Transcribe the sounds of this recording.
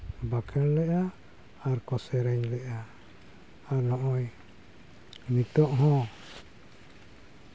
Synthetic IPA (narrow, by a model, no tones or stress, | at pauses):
bakʰɛllɛʔaː | ɾkɔsɛɾɛɲlɛʔaː | ɾnɔʔɔj | nit̪ɔʔɦɔ̃